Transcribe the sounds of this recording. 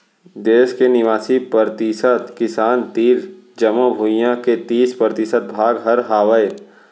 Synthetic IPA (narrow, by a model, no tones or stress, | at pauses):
d̪eːʃkenɪʋaːsipəɾt̪isət̪kɪsaːnt̪iːɾ | d͡ʒəmobʱuːjãket̪iːspɾəɾt̪ɪsət̪̚bʱaːɡɦəɾɦaːwəe